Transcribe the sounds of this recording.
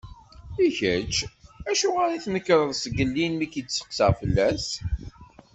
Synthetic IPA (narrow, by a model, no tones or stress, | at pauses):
içət͡ʃːæʃuʁaɾiθnəkːɾˤəðˤsəɡəlːinmikət͡sːə̥qsəʁfəlːæs